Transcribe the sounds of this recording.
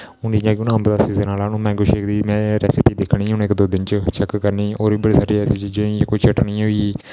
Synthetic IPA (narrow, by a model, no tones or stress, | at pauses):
ʊnɪjãːkʊnəmbd̪asiːdeːnaːlaːnũːmɛ̃ːɡʊʃekd̪iːmɛ̃ːɾɛːsɪpiːd̪ɪkʰɳiːɦʊnekd̪oːd̪ɪnt͡ʃət͡ʃɛkːkəɾniːoːɾiːbəɽiːsaːɖiːɛːseːt͡ʃiːd͡ʒẽjakoiːt͡ʃʰəʈɳĩːɦoːiː